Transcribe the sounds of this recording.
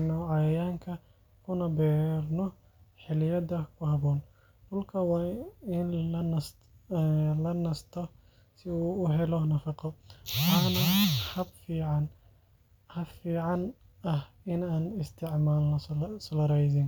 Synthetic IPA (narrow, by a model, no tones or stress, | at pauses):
nɔʕɑjɐjaːŋkʰɐ | kʰʊnɐbɛːrnɔ | ħɪlɪjɐdɐkʰʊhɐβɔːn | ɖʊlkʰɐwɑːɪnlɐns | lɐnɐst̪ʰɔ | sɪuːʊɦɛlɔnɐfɑqɔwɑħnɐhɐbfiːʕɑn | hɐbfiːʕɑn | ɐh | ɪnaːnɪst̪ʰɪʕmaːlɐslɐɾɛjsɪn